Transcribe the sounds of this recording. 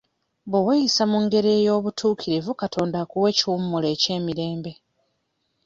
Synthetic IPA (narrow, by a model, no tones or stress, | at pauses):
βowejisamuŋɡe̞ɾeːjo̞ːβutʰuːkiɾivukatʰo̞ːndakuwe̞ːciwumːule̞ːce̞ːmiɾe̞ːmbe̞